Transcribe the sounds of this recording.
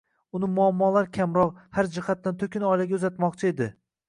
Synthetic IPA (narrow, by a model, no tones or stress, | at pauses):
ʊnɪmʊamːɒlaɾkʲʰamɾɒqhaɾd͡ʒɪhat̪ːant̪ʰɵkʲɪnɒjlaɡʲaʊzat̪mɒqt͡ʃʰɪe̞d̪ɪ